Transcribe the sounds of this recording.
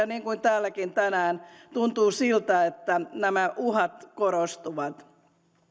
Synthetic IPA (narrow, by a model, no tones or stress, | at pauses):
ɑniːŋkuint̪æːlːækint̪ænæːnt̪unt̪uːsilt̪æet̪ːænæmæʔuhɑt̪koɾost̪uʋɑt̪